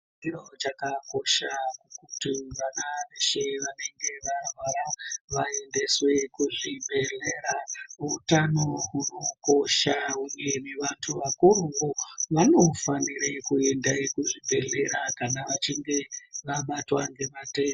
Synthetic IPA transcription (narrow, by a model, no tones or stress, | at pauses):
irot͡ʃakako̞ʃakukutiʋananeʃeʋane̞ŋɡe̞ʋarwaɾaʋae̞nde̞swe̞kuʐibʱe̞ɮeɾautano̞uno̞ko̞ʃauɲemiʋantʰuʋakuɾuʋoʋano̞faniɾekue̞ndaikuʐibʱe̞ɮe̞ɾakanaʋat͡ʃiŋɡe̞ʋaɓatwaŋɡe̞mateː